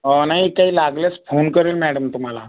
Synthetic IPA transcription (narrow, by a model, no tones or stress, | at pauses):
ɦənaɦiikaɦiːlaɡlət͡sfonkəɾeːlmæɽəmt̪um̤ala̰